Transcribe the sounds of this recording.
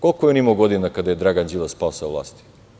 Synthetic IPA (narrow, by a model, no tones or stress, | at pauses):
kolˠkojonimoɡod̪inakad̪ajed̪ɾaɡand͡ʒilaspasavlˠa̰ːst̪i̥